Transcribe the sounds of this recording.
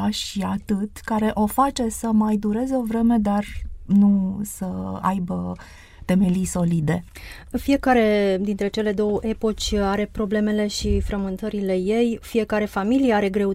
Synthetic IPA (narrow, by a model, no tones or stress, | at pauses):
aʃiat̪ɨt̪kaɾe̞ʔo̞fat͡ʃe̞səmajd̪uɾe̞zeo̞vɾe̞me̞d̪arnusəa̰jbə | t̪e̞me̞lijso̞lid̪e̞ | fije̞kaɾe̞d̪int̪ɾe̞t͡ʃe̞le̞d̪o̞wəʔe̞po̞t͡ʃʲaɾe̞pɾo̞ble̞me̞le̞ʃifɾəmɨnt̪əɾile̞je̞jfije̞kaɾe̞familijeaɾe̞ɡɾe̞